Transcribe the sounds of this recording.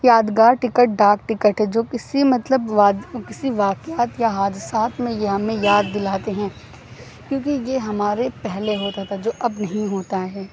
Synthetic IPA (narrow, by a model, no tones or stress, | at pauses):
jaːd̪ɡaːɾʈɪkəʈ̚ɖaːk̚ʈɪkəʈɦɛd͡ʒoːkɪsimɐt̪ləbʋaːd̪kɪsiʋaːkɪjaːt̪jaɦaːd̪ɪsaːt̪mẽjeɦɐmẽjaːd̪̚ːɪlaːt̪eɦɛ̃ː | kjõːkijeɦɐmaːɾepɛɦleɦoːt̪at̪ʰad͡ʒoːʔɐbnɐɦĩɦoːt̪aɦɛː